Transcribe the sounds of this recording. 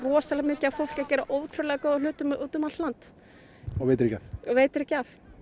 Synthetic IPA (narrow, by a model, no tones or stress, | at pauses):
rɔːsalɛɣmɪːcɪafowl̥cacɛːɾaʔoːwt̪ʰɾœlɛɣakoːðalʏːt̪ʏmuːt̪ʏmat̪lant̪ | ɔejt̪ɾɛcafɔveːjt̪ɪɾɛhcːaf